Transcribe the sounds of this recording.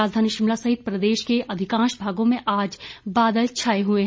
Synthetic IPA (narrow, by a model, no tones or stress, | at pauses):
aːd͡ʒd̪ʱaːniʃɪmlasɐɦɪt̪̚pɾɐd̪eːʃkeʔɐd̪ʱɪkãːʃbʱaːɡõmẽʔaːd͡ʒbaːd̪əlt͡ʃʰaːeɦueɦ